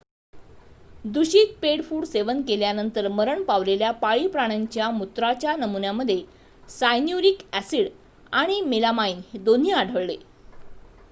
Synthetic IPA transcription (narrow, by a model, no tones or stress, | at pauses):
d̪uɕiːt̪̚peɽfuːɽseʋənkeljanənt̪əɾməɾəɳpaʋleljapaɭiːpɾaɽ̃aɲt͡ɕjamut̪ɾat͡ɕjanəmunjaməd̪ʱːje | sajnjuɾikæsiɽ | aɽ̃imelamainhed̪on̤iːaɽʱəɭle